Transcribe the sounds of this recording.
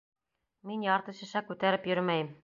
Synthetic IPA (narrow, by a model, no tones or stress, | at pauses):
minjɑɾt̪ɤ̆ɕɘ̆ʃækʉt̪æɾɘpjɵɾmæjɘm